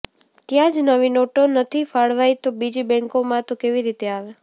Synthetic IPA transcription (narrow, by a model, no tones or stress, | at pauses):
t̪jãd͡ʒnəʋinoʈonət̪ʰifaɭʋajt̪obid͡ʒibɛ̃ŋkomãt̪okeʋiɾit̪eaʋe